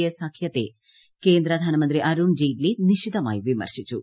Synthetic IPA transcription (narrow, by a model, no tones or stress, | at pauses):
ɐsakʰjɐt̪ḛ | keːnd̪ɾɐd̪ʱaːnɐmɐnt̪ɾiʔɐɾund͡ʒiːɖliniʃit̪ɐma̰ːjiʋimɐ̰ɾʂit͡ʃu